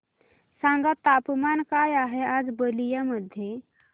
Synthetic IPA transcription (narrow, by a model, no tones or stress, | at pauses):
sãŋɡat̪apmankajaɦead͡zbəlijaməd̪ʱːje